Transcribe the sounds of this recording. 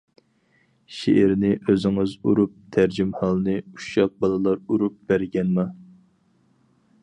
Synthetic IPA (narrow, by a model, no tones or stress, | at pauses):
ʃeʔɪɾnɪʔøzɪŋɪzuɾup̚t̪ʰæɾd͡ʒimhɑlˠnɨu̥ʃɑq̚bɑlˠɨlˠɑɾuɾup̚b̥æɾɡʲɛnmɑ